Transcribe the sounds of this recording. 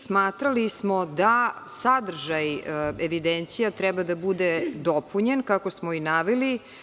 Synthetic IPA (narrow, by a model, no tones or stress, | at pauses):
smaːt̪ɾalismod̪asad̪r̩ʒajeʋid̪ent̪sijat̪ɾɛbad̪abud̪ed̪opuɲenkakosmoinaʋeli